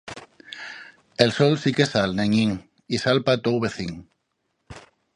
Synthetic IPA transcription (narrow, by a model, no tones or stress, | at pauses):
elsolsikesalneɲiŋ | isalpat̪owβeθiŋ